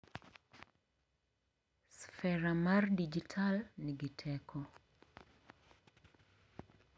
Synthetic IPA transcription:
sfɛɾamardid͡ʒitʰalniɡɪtʰɛkʰɔ

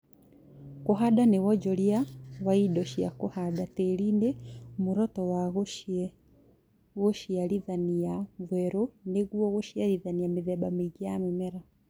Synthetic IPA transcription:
kuɦadanewɔd͡ʒɔliawaidɔʃia̰kuhadatelindemuɾɔtɔwaɣuʃiɛ | ɣoʃialiðanijaɱvwɛɾuneɣuɔɣuʃialiðanijamiðɛɓamiɡiamimɛɾa

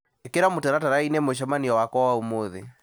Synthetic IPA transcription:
ekeɾamotaɾataɾainɛmoʃ̬amaniɔwakwɔwaumoðḛ

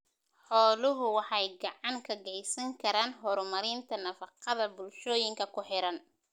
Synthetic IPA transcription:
ħɔːlʊɦʊwɑħɑjɡɑʕɑŋkʰɐɡɛjsɐŋkʰɐɾaːnɦɔːɾmɐɾɪnt̪ʰɐnɐfɑqɑðɐbʊlʃɔːjɪŋkʰɐkʰʊħɪɾɐn

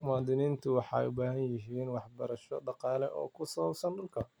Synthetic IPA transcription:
mʊaːd̪ɪniːnt̪ʰʊwɑħɑ̰jʊbaːɦɐnjɪɦiːnwɑħbɐɾɐʃɔɖɑqɑːlɛʔɔ̰ːkʰʊsɐβɐbsɐnɖʊlkʰɐ

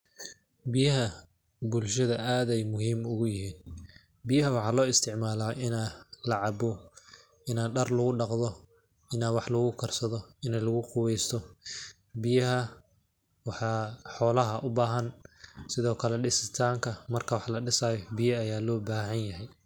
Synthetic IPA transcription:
bɪjɐɦɐ | bʊlʃɐðɐaːðɛjmʊɦiːmʊɣʊjɪɦiːn | bɪjɐɦɐwɑħɑːlɔːɪst̪ʰɪʕmaːlaːʔɪnaːlɐʕɑbɔ | ɪnaːɖɐrlʊɣʊɖɑqðɔ | ɪnaːwɑħlʊɣʊkʰɐrsɐðɔɪnɛlɐɣʊqʊwɛjst̪ʰɔ | bɪjɐɦɐ | wɑħɑːħɔːlɐɦɐʔʊbaːɦɐnsɪðɔːkʰɐlɛɖɪsɪt̪ʰaːŋkʰɐmɐrkʰɐwɑħlɐɖɪsaːjɔbɪjɐːjaːlɔːbaːɦɐnjɐɦɛj

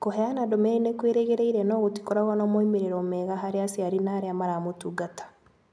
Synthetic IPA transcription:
koɦɛanadomɛninekweɾeɣeɾeiɾɛnɔːɣoti̥kɔɾaɣwanɔmoimeɾeɾɔmɛːɣaɦaɾeasiaɾinaɾeamaɾamotuɡatḁ

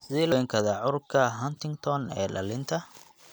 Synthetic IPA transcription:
sɪɛːlɐɛŋkʰɐðɐʕʊɾʊkʰɐɦɐnt̪ʰɪŋɡt̪ʰɔnɛ̰ːlɐ̰lɪnt̪ʰɐ

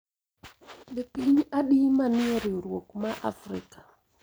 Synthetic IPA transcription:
bepiɲaɗimanɪɔɾɪoɾwokmaʔa̰fɾɪ̰kḁ

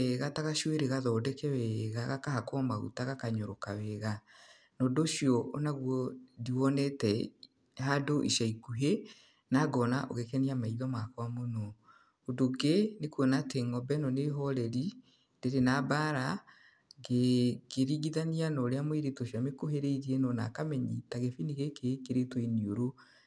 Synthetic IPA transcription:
ɛɣataɣaʃweɾeɣaðɔːdɛkɛwɛɣaɣakahakɔmaɣṵtaɣakaɲoɾokawɛɣa | noːdoːʃjɔonaɣwɔdiwɔnɛtɛ | hadoʔiʃaikuɦe | naɡɔnaʔo̰ɣekɛniamaiðɔmakwamonɔ | odoɡenekuɔnateŋɔbɛnɔneɦɔɾɛɾi | ndeɾenabaːɾa | ɡeɡeɾiɣiðanianɔɾeamoeɾetoʃiɔamekoɦeɾeiɾiɛnɔna̰kamɛɲitaɣefiniɣekekeɾetoinioɾo

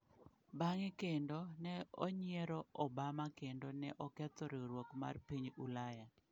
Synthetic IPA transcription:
baŋɪkendonɛo̰ɲɪeɾɔɔbamakendonɛʔɔkɛt̪ɔɾeɾwokma̰rpiɲulajad

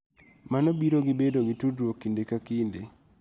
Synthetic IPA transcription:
manobiɾoɡɪbedoɡitudwokːindekakinde

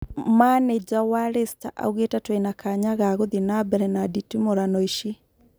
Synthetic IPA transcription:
maned͡ʒawaɾestaʔa̰uɣetatweinakaɲaɣaɣoðinabɛɾɛnaditimoɾanɔiʃi

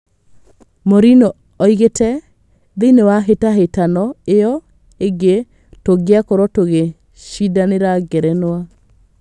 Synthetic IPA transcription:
moɾinɔ | ɔiɣetɛ | ðenewaɦetaɦetanɔeɔ | eɡe | toɡeakɔɾɔtoɣe | ʃidaneɾaɡɛɾɛnwa

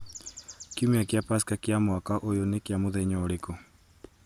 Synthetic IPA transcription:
kiumeakjapaskakjamwakaʔojonekeamoðɛɲɔoɾekɔ

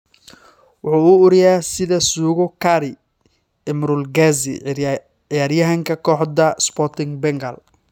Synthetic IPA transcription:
wʊħuːuʊɾɪjaːsɪðɐsuːɣʊkʰaɾɪ | ɛmɾʊlɡazɪ̰ | ɪjaːɾjɐɦɐŋkʰɐkʰɔːħdɐspɔrt̪ʰɪŋbɛŋɡɐl

